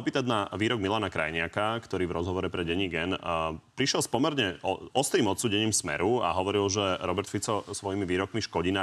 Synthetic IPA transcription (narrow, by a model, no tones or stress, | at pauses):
piːt̪ad̪naʋiːɾɔɡ̚milanakɾa̰jɲɪakakt̪ɔɾiːvɾɔzɦɔʋɔɾɛpɾɛɟɛɲiɡɛnpɾiʃjɛlspɔmɛɾɲɛɔɔst̪ɾiːmɔt̪suːɟɛɲiːmsmɛ̰ɾua̰ɦɔʋɔɾilʒɛɾɔbɛɾt̪fit͡sɔsʋɔjimiʋiːɾɔkmiʃkɔɟina